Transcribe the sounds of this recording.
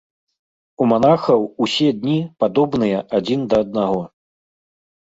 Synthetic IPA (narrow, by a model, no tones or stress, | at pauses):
umanaxɐwusʲɛd̪ʲnʲipad̪ɔbnɨjɐʔad͡zʲind̪ɐːd̪̚naɣɔ